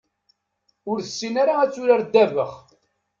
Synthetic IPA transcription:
ʊɾθəsːinaɾaæt͡sːʊɾaɾd̪ːævəχ

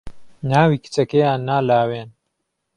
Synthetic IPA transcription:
naːwiːkʰi̥t͡sɐkɐjaːnːaːlaːweːn

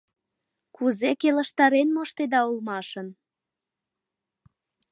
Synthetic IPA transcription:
kuzekelə̆ʃt̪ɑɾenmoʃt̪ed̪ɑulmɑʃən

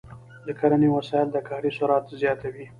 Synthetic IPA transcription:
d̪əkaɾaniwasɑɪld̪əkɑɾisʊɾɑt̪zjɑt̪awi

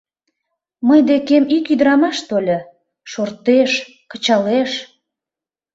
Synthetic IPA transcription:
məjd̪ekemikyd̪əɾɑmɑʃt̪olʲə | ʃort̪eʃ | kə̥t͡ɕɑleʃ

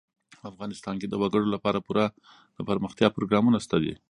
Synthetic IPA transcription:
afɣɑnɪst̪ɑnked̪əwaɡəɽolapɑɾapuɾa | d̪̥əpəɾməxt̪jɑpɾoɡɾɑmunast̪ad̪ḭ

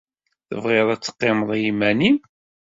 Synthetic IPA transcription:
θə̰vʁɪɾˤæt͡sːə̥qːeməðˤjimænim

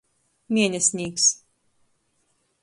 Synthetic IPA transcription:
mʲiɛnʲɛsʲnʲiːks

